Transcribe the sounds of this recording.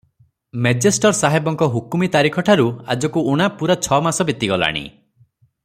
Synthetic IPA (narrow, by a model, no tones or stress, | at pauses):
med͡ʒesʈɔɾsaɦebɔŋkɔɦukumit̪aɾikʰɔʈʰaɾua̰d͡ʒɔkuuɽ̃apuɾat͡ʃʰɔmasɔbit̪iɡɔla̰ɽ̃ḭ